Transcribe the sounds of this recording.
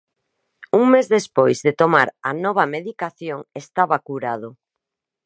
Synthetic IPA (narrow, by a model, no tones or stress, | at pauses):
uŋmezðespojzðet̪omaɾanɔβ̞ɐmeðikaθjoŋest̪aβakuɾað̞o